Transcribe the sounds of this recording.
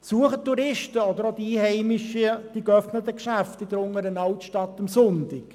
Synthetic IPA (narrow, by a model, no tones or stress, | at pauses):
suəχətːuɾɪʃtəɔd̪əɾod̥̪iihɛɪmɪʃid̥ikœfnət̪əkʃæft̪ɪd̪əɾʊŋəɾənɑwtʃtɑt̪ːɑmsʊntɪk